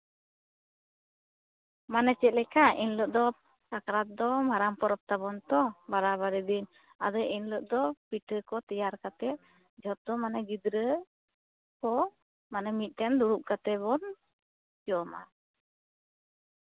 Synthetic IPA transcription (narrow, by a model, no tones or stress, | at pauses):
manɛt͡ʃɛt̪̚lɛkaʔinlɔʔ̚d̪ɔ | kakɾat̪̚d̪ɔmaɾampɔɾɔp̚t̪abɔnt̪ɔbaɾaβaɾɛd̪in | a̰d̪ɔʔinlɔʔ̚d̪ɔpiʈəkɔt̪ɛjaɾkat̪ɛ | d͡ʒʱɔt̪̚ɔmanaɡid̪ɾə | kɔ | manɛmit̪̚ˀt̪ɛnd̪uɽuʔ̚kat̪ɛbɔn | d͡ʒɔma̰